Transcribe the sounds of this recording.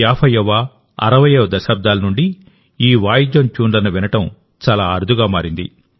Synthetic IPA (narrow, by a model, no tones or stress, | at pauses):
jaːpʰɐjɐʋːa | ɐ̰ɾɐʋɐjɐʋd̪ɐʃaːb̚d̪aːlɐnuɳɖi | iːʋaːjid͡ʒɐnt͡ʃuːnlɐnɐʋinɐʈɐm | t͡ʃaːlaːɐɾd̪ʱuɡaːmaːɾind̪ḭ